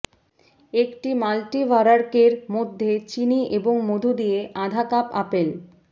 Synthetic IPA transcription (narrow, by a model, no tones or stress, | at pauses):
ekʈimalʈibaɾaɾkeɾmod̪ʱːet͡ɕiniʔeboŋmod̪ʱud̪ijeʔad̪ʱakapapel